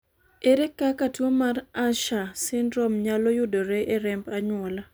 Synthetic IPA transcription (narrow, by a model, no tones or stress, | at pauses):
eɾɛkːakatwomaɾaʃasɪndɾɔmɲalɔjʊdoɾɛʔeɾɛmbaɲwɔla